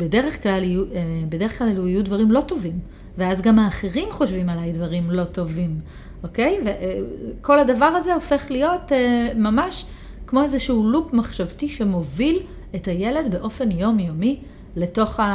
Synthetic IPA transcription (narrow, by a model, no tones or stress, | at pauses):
bede̞ʁeχklalijuebedeeχklaleluijudvaʁimlo̞to̞vim | veazɡamhaːχeʁimχo̞ʃvimalajdvaʁimlo̞to̞vim | ʔo̞ke̞jveko̞ladavaʁaze̞ofe̞χlijo̞tmamaʃ | kmo̞ezeʃuulupmaχʃavtiʃe̞mo̞vil | etaje̞le̞dbe̞ʔo̞fe̞njo̞mjomi | leto̞χa